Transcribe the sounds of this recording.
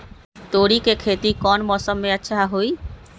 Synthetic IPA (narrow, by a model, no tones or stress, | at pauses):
t̪oɾikekʰet̪ikɔnmɔsɔmːeat͡ɕʰeɦaɦoj